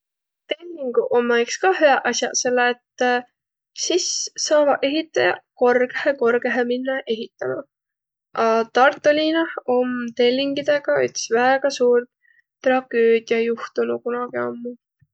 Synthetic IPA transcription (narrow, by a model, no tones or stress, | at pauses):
t̪e̞lʲːiŋɡuʔomːɑkskɑhyæʔɑsjɑ̰se̞lːet̪ː | sisːɑːvɑʔe̞ɦit̪ːˑɑjɑ̰ko̞rɡ̥eheko̞rɡeɦeminːɑʔe̞ɦit̪ːˑɑnu | ʔɑt̪ɑrt̪ˑːolʲinɑhomt̪e̞lʲːiŋɡ̥id̪̥e̞ɡ̥ɑyt̪svæeɡ̥ɑsuːrt̪ | t̪rɑɡ̥øːd̪̥jɑjuht̪unukunɑɡ̥io̰mːu